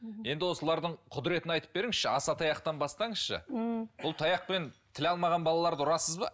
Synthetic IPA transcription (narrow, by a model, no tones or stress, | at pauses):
je̞nd̪ɪwo̞səlˠɑɾd̪əɴqʰʊd̪ɪɾe̞t̪ɪnɑjt̪ə̥p̚be̞ɾɪŋɪzʃɪɑsɑt̪ʰɑjɑqt̪ɑnbɑst̪ɑɴəzʃə̰bʊlˠt̪ʰɑjɑq̚pe̞nt̪ʰɪlɑlˠmɑʁɑnbɑlˠɑlˠɑɾd̪əʊɾɑsəzbɑ̰